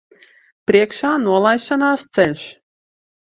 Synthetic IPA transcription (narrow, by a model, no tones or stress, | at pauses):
pɾiɛkʃaːnuɔlˠajʃanaːst̪sɛnʲʃ